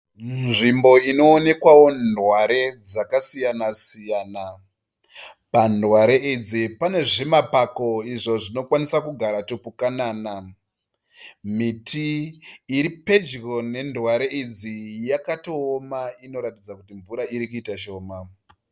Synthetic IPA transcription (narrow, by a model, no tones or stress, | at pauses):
nʐimbo̞ino̞ːne̞kwawo̞nwaɾe̞d͡zakasijanasijana | pandwaɾe̞id͡zipane̞ʐemapako̞iʐo̞ʐino̞kwanisakuɡʱaɾatopukanaːna | mitiː | ɾipe̞d͡ʒro̞ne̞ndwaɾe̞id͡zijakato̞ːmaino̞ɾatid͡zakutiɱvuɾaiɾikuitaʃo̞ːma